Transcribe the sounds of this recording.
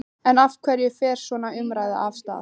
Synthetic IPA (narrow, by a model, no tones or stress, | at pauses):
ɛnafkʰvɛɾjɛfɛːɾ̥svɔːnaʏmɾaːjða̰ʔafst̪a̰